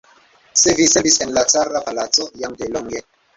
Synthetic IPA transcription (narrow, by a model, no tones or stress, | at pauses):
sevisebisenlat͡saɾapalat͡sojaŋdeloŋɡe